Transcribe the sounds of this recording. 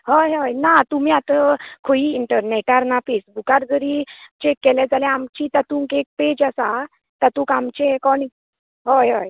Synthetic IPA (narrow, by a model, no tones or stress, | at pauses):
ɦojɦɔjnat̪um̤iːat̪əkʰoiːɳʈəɾneʈaɾnafesbukaɾd͡zəɾit͡ɕekːɛljɛd͡zalɛ̃amt͡ɕiːt̪at̪ũːŋkek̚ped͡ʑəsa | t̪at̪ũkamt͡ɕekɔni | ɦojɦoj